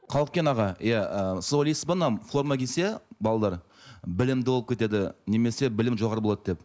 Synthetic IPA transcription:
qʰɑlˠəq̚kʲenɑʁɑjaəsolisbənɑmfo̞rmɑkʲʰese̞bɑlˠɑd̪ɑɾ | bɪlɪmd̪ɪbolˠəp̚kʰʲe̞t̪e̞d̪ɪneme̞se̞bɪlɪmʒoʁɑɾəbolˠɑd̪əd̪ep

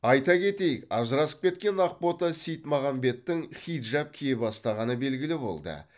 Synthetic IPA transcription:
ɑjt̪ɑkʲʰe̞t̪e̞jɪkɑʒəɾɑsə̥p̚kʲe̞t̪̚kʲe̞nɑq̚po̞t̪ɑsijt̪mɑʁɑmbe̞t̪ːɪŋχʲijt̪ʒɑp̚kʲʰijebɑst̪ɑʁɑnəbe̞lɡʲɪlɪbo̞̰lˠd̪ə̰

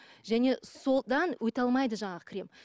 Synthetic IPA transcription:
ʒæne̞so̞d̪ɑnwʔɵt̪ɑlˠmɑjd̪əʒɑɴɑʁəkʰʲɪɾe̞m

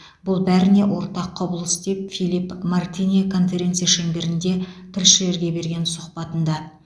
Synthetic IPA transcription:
bʊlˠbæɾɪne̞wʔo̞ɾt̪ɑqʰːɑbəlˠəsd̪ep̚fijlipmart̪inikʰo̞nfe̞ɾʲe̞nt̪sɨijaʃeŋbʲe̞ɾɪnd̪e̞t̪ʰɪɾʃɪle̞ɾɡʲe̞be̞ɾɡʲe̞nsʊqpɑt̪ənd̪ɑ

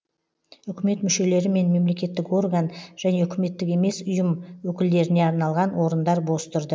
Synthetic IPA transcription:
ʏkʲɪme̞t̪mʏʃe̞le̞ɾɪme̞nme̞mle̞kʲe̞t̪ːɪko̞rɡanʒ̥æne̞ʏkʲʰɪme̞t̪ːɪkʲe̞me̞sʊjəmwɵkʲɪld̪e̞ɾɪne̞ɑɾnɑlˠʁɑnwo̞ɾənd̪ɑɾbo̞st̪ʊɾd̪ə

